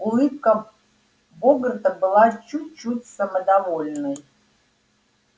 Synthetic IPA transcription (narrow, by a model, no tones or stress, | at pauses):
ulˠɨp̚kə | bɔɡɾt̪əbɨlˠat͡ɕut̚ʲt͡ʃːutʲsəməd̪avolʲnəj